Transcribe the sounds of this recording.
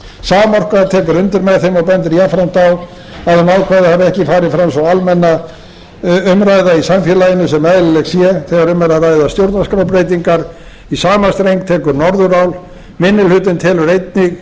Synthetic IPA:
saːmɔr̥kaðt̪ʰɛːkʏɾʏnt̪ɪɾmɛðθejmɔpɛnt̪̬ɪɾjafɾam̥t̪aw | aðanaːwkʰvaːðɪhavɛhcɪfaːɾɪðfɾamsɔalmɛnːa | ʏmɾajðaisamfjɛlajɪnʏsɛmɛðlɪlɛɣsjɛθɛɣaɾʏmɾaɾajðast̪jowɾt̪naskɾawp̬ɾejt̪iŋkaɾ | isaːmast̪ɾejŋk̚t̪ʰɛːkʏɾnɔɾðʏɾawl | mɪnːɪlhʏt̪ɪnt̪ʰɛːlʏɾejt̪nɪɣ

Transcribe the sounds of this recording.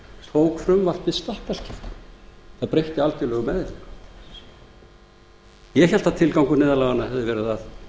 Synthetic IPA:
sloːwkfɾʏmval̥t̪vɪst̪ahkval̥cʰɪft̪ʏ̥θaðpɾejht̪ɪalt̪ʏlœɣʏmɛðɪliŋk | jɛçɛl̥t̪at̪ʰɪlkawŋkʏnɪːðalaɣanahɛvðɪvɛːɾʏθað

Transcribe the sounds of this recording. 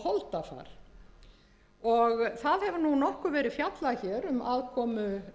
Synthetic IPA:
hɔlt̪afa̰ːɾ̥ | ɔɣθaðhɛvnunɔhkʏvɛːɾɪðfjat̪laçɛɾʏmʔaːðkʰɔːmʏ

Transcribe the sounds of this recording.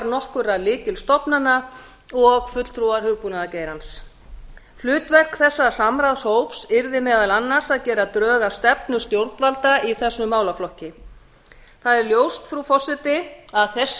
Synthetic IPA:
ɾnɔhkʏɾalɪːcɪlst̪ɔpnanːa | ɔɣfʏt̪l̥t̪ʰɾuaɾ̥hʏɣpunaðaceːjɾans | lʏːt̪vɛr̥kθɛsːasamɾaðshoːwpsɪɾðɪmɛːðalanːaɾsaðcɛːɾat̪ɾœːɣast̪ɛpnʏst̪jowɾt̪valt̪aiθɛsːʏmaːwlaflɔhcɪ | θaðɛɾljoːwst̪fɾufɔsːɪt̪ɪaðθɛs

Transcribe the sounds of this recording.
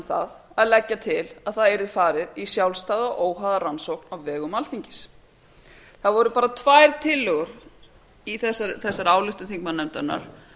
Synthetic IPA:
θa̰ðaðlɛcːat̪ʰɪlaðθaðɛjɾðɪfaːɾɪðisjawlst̪aːðaʔoːwɦaðaransowknawvɛːɣʏmalθiɲcɪ̥s | θaðvɔɾʏpaːɾat̪ʰvajɾ̥t̪ʰɪlːɔɣʏɾ | iθɛsːaɾθɛsːaɾaːwlʏht̪ʏnθiŋkmanɛmt̪ana̰ɾ̥

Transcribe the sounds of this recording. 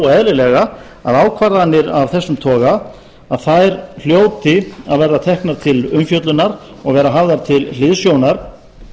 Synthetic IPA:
ɛðlɪlɛɣa | a̰ðaːwkʰvaɾðanːɪɾavθɛsːʏmt̪ʰɔːɣa | aðθajɾl̥joːwt̪ɪaðvɛɾðat̪ʰɛhknaɾ̥t̪ʰɪlʏmfjœt̪lʏnaɾ | ɔɣvɛːɾaɦavðaɾ̥t̪ʰɪllɪðsjownaɾ̥

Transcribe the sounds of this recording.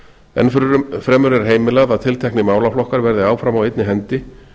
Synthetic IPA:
ɛ̰nfɾɛːmʏɾɛɾ̥ɦeːjmɪlɛɣðaðt̪ʰɪlt̪ʰɛhknɪmaːwlaflɔhkaɾvɛɾðɪaːwfɾamawejt̪nɪɦɛnt̪ɪ

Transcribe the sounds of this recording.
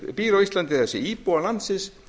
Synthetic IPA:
piːɾoislant̪ɪasɛiːpoalansɪs

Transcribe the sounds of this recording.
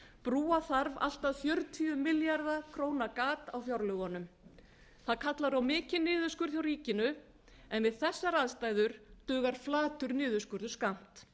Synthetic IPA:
pɾuːaθaɾva̰l̥t̪aðfjœɾt̪ʰiʏmɪljaɾðakʰɾoːwnakaːt̪awfjaɾlʏɣɔnʏm | θaðkʰat̪laɾawmɪːcɪnːɪːðʏskʏɾ̥θjawɾiːcɪnʏ | ɛnvɪðθɛsːaɾaðst̪aːjðʏɾ̥t̪ʏːɣaɾ̥flaːt̪ʏɾnɪːðʏskʏɾðʏskam̥t̪

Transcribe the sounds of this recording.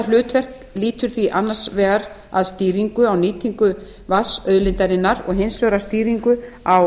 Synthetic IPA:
lʏːt̪vɛr̥k | liːt̪ʏɾ̥θviʔanːḁsvɛːɣaɾ | a̰ðst̪iːɾiŋkʏawniːt̪ʰiŋkʏ | vasœðlɪnt̪aɾɪnːaɾɔ̰ɣɦensvœɣɾast̪iːɾiŋkʏ | aw

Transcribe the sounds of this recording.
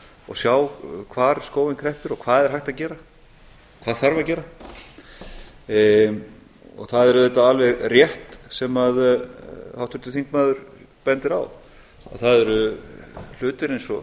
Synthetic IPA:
ɔ̰sjaːwkʰvaːɾskoːwɪnkʰɾɛhpɪɾɔkʰvaːðɛðɛɾɦajht̪aðcɛːɾa | kʰvaːðθaɾvaðcɛːɾa | ɔ̰ɣθaðɛɾʏθɛt̪ːaalvɛɣrjɛht̪sɛmað | awht̪ʰʏɾt̪ʏθiŋkmaːðʏɾ | pɛnt̪ɪɾa̰w | a̰ðθaðɛɾʏ | l̥ʏːt̪ɪɾejnsɔ

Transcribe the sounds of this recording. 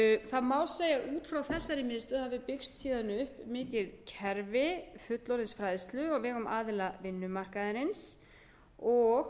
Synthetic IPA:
θaðmawlseːjaʔuːt̪fɾawθɛsːaɾɪmɪːðst̪ʏðhavɪpɪkst̪siːðanʏhpmɪːcɪðcʰɛɾvɪfʏt̪lɔɾɪnsfɾajðɪst̪lʏɔɣvɪːɣʏmaːðɪlavɪnːʏmar̥kaðɪɾɪns | ɔɣ

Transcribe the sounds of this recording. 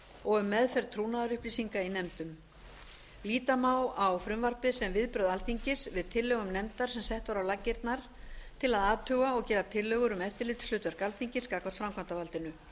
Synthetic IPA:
ɔɣʏmːɛðfɛɾt̪ʰɾuːnaðaɾʏhpliːsiŋkainɛmt̪ʏm | liːt̪amaːwawfɾʏmvar̥pɪðsɛmvɪðpɾœðalθiɲcɪsvɪðt̪ʰɪlːœːɣʏmnɛmt̪aɾ̥sɛmsɛht̪vaɾawlacːɪɾt̪naɾ̥ | t̪ʰɪlaðaːt̪ʰœːɣaɔɣcɛːɾat̪ʰɪlːœːɣʏɾʏmɛft̪ɪɾlɪt̪slʏːt̪aɾkalθiɲcɪskaːkvaɾt̪fɾamkʰant̪avalt̪ɪnʏ

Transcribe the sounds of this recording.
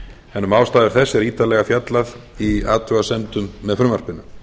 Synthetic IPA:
hɛnːʏmaːwst̪aːðɪɾ̥θɛsːɛɾiːt̪alɛɣafjat̪laðiaːt̪ɾœɣasɛmt̪ʏmːɛðfɾʏmaɾ̥pɪnːʏ

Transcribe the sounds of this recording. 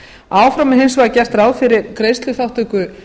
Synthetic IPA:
aːwfɾamɪɦejnsvaɣcɛr̥t̪ɾaːwfɪɾɪɾkɾeːjst̪lʏθawht̪ʏkʏ

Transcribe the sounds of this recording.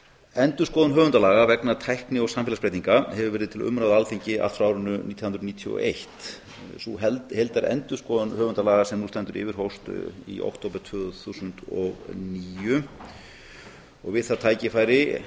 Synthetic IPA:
ɛnt̪ʏ̥skɔːðʏnɦœːvʏnt̪alaːɣavɛknat̪ʰajhknɪɔɣsamfːlaspɾejt̪iŋkahɛvʏɾvɛːɾɪðt̪ʰɪlʏ̰mɾawðalθiɲcɪʔa̰lfɾaːwɾʏnːʏniːt̪ʰi̥hnɾniːt̪ʰiɔ̰ʔejht̪ | suɦɛlt̪hejlt̪aɾɛ̰nt̪ʏ̥skɔːðʏnhœːɣvʏnt̪alaːɣasɛmnust̪ɛnt̪ʏɾɪ̰ːvɪɾ̥ɦowst̪ḭʔo̰wht̪ʰoːwpʏɾt̪ʰvœːɣθusʏnt̪ɔɣniːjʏ | ɔɣvɪðθat̪ʰaːjcɪfaːjɾɪ

